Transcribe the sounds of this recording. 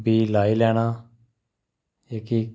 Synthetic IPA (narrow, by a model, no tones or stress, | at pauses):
bʱiːlaːiːlɛːɽ̃aː | eːkiː